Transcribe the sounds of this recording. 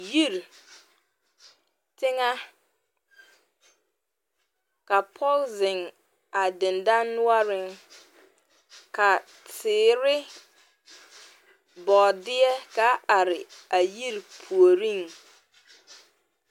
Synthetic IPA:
ji˦˨ɾ | tɪ˦ŋa˦ | ka˨pʰɔ˦lzɪ˨ŋ | a˨dɪ˨nda˦nnʊ˦a˦ɾɪ˦ŋ | ka˨ | tɪː˨˦˨ɾɪ˦ | bɔ˨dɪ˦ɛ˦ka˦a˨ɾɪ˨a˨ji˦ɾpʰu˨o˨ɾi˦˨ŋ

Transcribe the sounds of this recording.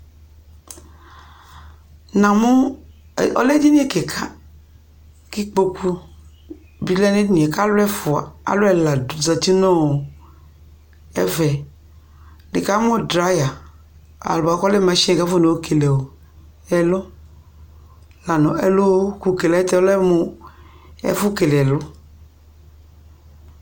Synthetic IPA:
nã˨mo˦˨ | ɔ̰˦lɛ˦d͡ʒi˦nĩ˦e˦ke˨kʰa˦ | ki˦k͡po˦ku˦ | bi˦lɛ˦ne˦nĩ˨ɛ˨ka˦lʊ˦ɛ˦fʊ˨a̰˨a̰˨˦lo˦ɛ˦la˨do˨zə˨t̪i˦nɔ̃˦wo˨ | ɛ̰˦vɛ˨ | de˨ka˦m˦ɔ̃˦dɾa˦ja˨ | a̰˨lba˨˦kɔ˦le˦mɛ̃˨ʃka˦fo˦ne˨wo˦kʰe˨le˨wo˨ | ɛ˨lo˦ | la˨nɔ̃˨ɛ˨lo˦o˦ku˨ke˨lɛ˨˦t̪ɛ˦lɛ˦mõ˨˦ | ɛ̰˨fu˦ke˨le˨ɛ˨lo˦

